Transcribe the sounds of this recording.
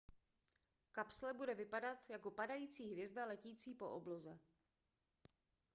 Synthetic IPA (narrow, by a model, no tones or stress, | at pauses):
kapslɛbudɛvɪpadat̪jako̞padajiːt͡siːɦvjɛzdalɛciːt͡siːpo̞̰ʔoblo̞zɛ